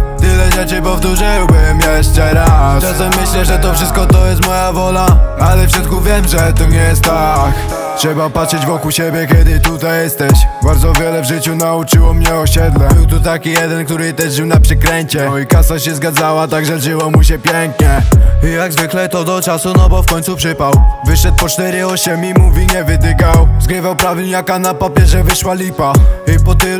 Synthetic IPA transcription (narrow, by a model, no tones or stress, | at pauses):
t̪ɘlɛʐɛt͡ʂɘpɔft̪uʐɘwbɘmjɛʂt͡ʂɛɾast͡ʃasɛmːɘɕlɛʐɛt̪ɔfʂɘst̪kɔt̪ɔjɛst̪mɔjavɔlaalɛfʂɨst̪kuvʲjɛmʐɛt̪ɔɲɛjɛst̪ːak | tʂɛbapatʂɘd͡ʑvɔkuwɕɛbʲjɛkʲɛd̪ɪt̪ut̪ajjɛst̪ɛɕbaɾd̪zɔvʲjɛlɛvʐɘt͡ɕunaut͡ʂɘwɔmɲɛɔɕɛd̪lɛbɘwt̪ut̪akʲijɛd̪ɛnkt̪uɾɘt̪ɛʐʐɘwnapʂɛkɾɛɲt͡ɕɛikasaɕɛzɡad̪zawat̪aɡʐɛʐɘwɔmuɕɛpʲjɛŋkɲɛijaɡzvɘklɛt̪ɔd̪ɔt͡ʂasunɔbɔfkɔɲʲt̪supʂɘpawvɘʂɛt̪̚pɔt͡ʂt̪ɛɾɘɔɕɛmimuvʲiɲɛvɘd̪ɘɡawzɡɾɘvawpɾavʲiljakanapapʲjɛʐɛvɘʂwalʲipaipɔt̪ɪ